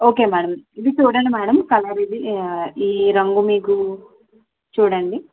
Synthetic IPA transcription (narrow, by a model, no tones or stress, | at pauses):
o̞ːke̞ːmaːɽɐmid̪it͡ʃuːɽɐɳɖimaːɽɐmkɐlɐːɾiːd̪iiːɾɐŋɡumiːku | t͡ʃuːɽɐɳɖi